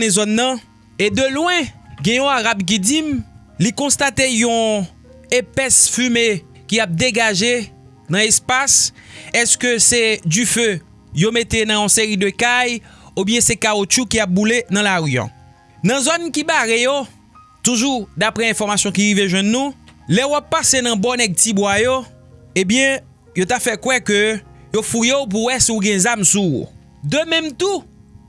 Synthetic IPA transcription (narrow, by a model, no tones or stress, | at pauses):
nɛ̃zɔnːɐ̃ | ed̪ølwɛ̃ɡɛ̃jɔ̃aʁabk̬id͡zim | likɔ̃st̪at̪ejɔ̃ | epɛsfyme | kijap̚d̪eɡaʒe | nɐ̃ɛspas | ɛskøsɛdyfø | jomet̪enɐ̃jɔ̃seʁid̪økajubjɛ̃sɛkaot͡ʃykijap̚bulenɐ̃laɣjɔ̰̃ | nɐ̃zɔnkibaɣejo | t̪uʒud̪apʁɛɛ̃fɔʁmasjɔ̃k̬iɣiveʒwɛ̃nːũlɛuwapːasenɐ̃bɔnɛɡ̚tibwajo | ẽbjɛ̃ | jot̪afɛkwɛkø | jofujeop̬uwɛsiuɡɛ̃zamsṵ | d̪ømɛ̃mt̪u